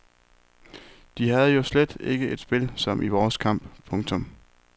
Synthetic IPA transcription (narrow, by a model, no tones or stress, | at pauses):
d̥iɦæð̞̩ˠjo̝sled̥e̝ɡ̥əʔe̝d̥sb̥e̝lsɒ̽mʔiʋɒːskʰɑ̈m̰b̥pʰɔ̽ŋt͡sʰɔ̽m